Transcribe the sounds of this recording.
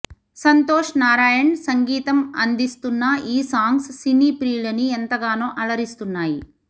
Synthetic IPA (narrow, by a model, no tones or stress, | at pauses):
sɐnt̪oːʂnaːɾaːjɐɳsɐŋɡiːt̪ɐmɐ̰nd̪ist̪unːɐiːsaːŋɡsːiniːpɾiːlɐniɛnt̪ɐɡaːnoːʔɐlɐɾist̪unːaːji